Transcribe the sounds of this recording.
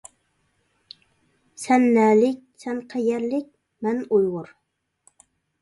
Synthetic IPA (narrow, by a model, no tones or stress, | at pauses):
sɛnːɛːlɪk̚ʲsɛnqʰɛjɛɾlɪk̚ʲ | mɛnujʁʊɾ